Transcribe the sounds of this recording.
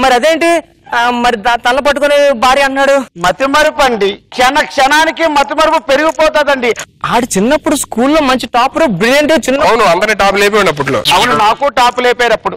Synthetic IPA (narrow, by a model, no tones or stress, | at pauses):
mɐɾiɐd̪e̞ːɳʈi | mɐɾit̪ɐlːɐp̬ɐʈːukoneːbʱaːɾiːɐnːaːɽumɐt̪imɐɾpɐɳɖikʂɛnɐkʂɐnaːnikimɐt̪imɐɾpupe̞ɾuɡipɔːt̪aːd̪ɐɳɖiaːɽit͡ʃinːɐpːuɽuskuːlːoːmɐɲt͡ʃiʈaːpɾoːbɾilɐɳʈut͡ʃinːɐɐwnuɐnd̪ɐɾniːʈaːp̬leːp̬oːinɐp̬ːuʈlo̰ːɐwnunaːkuʈaːpleːpɛːɾɐpːuɽu